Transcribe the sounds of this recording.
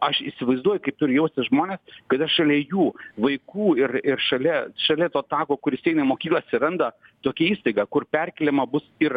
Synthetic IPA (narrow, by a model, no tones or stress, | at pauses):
ɐʃɪsʲɪʋɐɪzd̪uɔjʊkɐɪp̚t̪ʊɾʲʊjɛʊsʲt̪ʲɪʒmoːnʲeːskɐt̪ɐʃɐlʲɛjuːʋɐɪkuːɪrɪrʃɐlʲɛʃɐlʲɛt̪oːt̪ɑːkoːkʊɾɪsʲɛɪnɐɪmoːkʲiklˠɐt̪ʲsʲɪɾɐnd̪ɐ | t̪oːkʲɛiːst̪ɐɪɡɑːkʊrpʲɛrʲkʲɛlʲɪmɐbʊsɪr